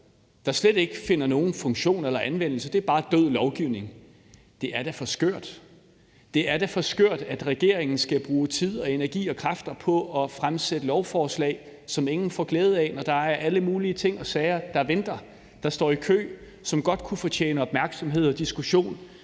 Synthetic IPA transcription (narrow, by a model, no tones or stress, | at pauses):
d̥ɑ̈sled̥e̝ɡ̥əfe̝nɐno̝ːn̩fɔ̽ŋɕo̝̰ːnelɐʔænʋen̰l̩səd̥e̝æɐb̥ɑ̈ːd̥øð̰ˠlɒʊɡ̥iʊne̝ŋ | d̥e̝ʔæɐɾæfɒ̽sɡ̥øɐ̰d̥ | d̥e̝æɐd̥æfɒ̽sɡ̥øɐ̰d̥æd̥ʁɛɡ̥e̝ɐ̰eŋn̩sɡ̥æb̥ʁuːt͡sʰið̞̰ˠɒ̽e̝næɐɡ̥ḭːɒ̽kʰʁafd̥ɐpʰɒ̽ɒ̽fʁamsed̥əlɒʊfɒːslɛ̰ɪ | sɒ̽me̝ŋn̩fɒɡ̥leːð̞̩ˠɛnɒd̥ɑ̈æɐʔæləmuːliət͡sʰe̝ŋ̰ɒ̽sɛɪɐd̥ɑ̈ʋend̥ɐ | d̥ɑ̈sd̥ɒ̰ːikʰø̰ː | sɒ̽mɡ̥ɒ̽d̥kʰufɒt͡ɕʰḛːnəɒ̽b̥mæɐɡ̥sɒ̽mɦe̝ð̞̰ˠɒ̽d̥isɡ̥uɕo̝̰ːn